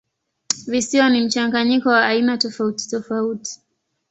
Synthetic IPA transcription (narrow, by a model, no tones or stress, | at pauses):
visiwanim̩t͡ʃaŋɡaɲikɔwaʔːinatɔfauti̥tɔfauti̥